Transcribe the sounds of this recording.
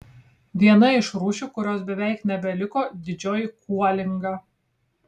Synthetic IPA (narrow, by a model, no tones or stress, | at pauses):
ʋʲiɛnɐɪʃɾuːʃʲuːkʊɾʲoːsbʲɛʋʲɛˑɪknʲɛbʲɛlʲɪkoːd̪ʲɪd͡ʒʲoːjkʰuɔlʲɪŋɡɑː